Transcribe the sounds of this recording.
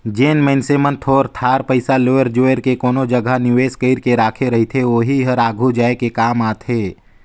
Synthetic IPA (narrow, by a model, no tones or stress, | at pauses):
d͡ʒeːnmɛ̃ːnsemənt̪ʰoːɾt̪ʰaːɾpəɪsaloːəɾd͡ʒoːəɾkekoːnod͡ʒɐɡʱanɪʋeːskəɪɾkeɾaːkʰeɾɐɦit̪ʰeoːɦiɦəɾaːɡʱud͡ʒaːekekaːmaːt̪ɦeː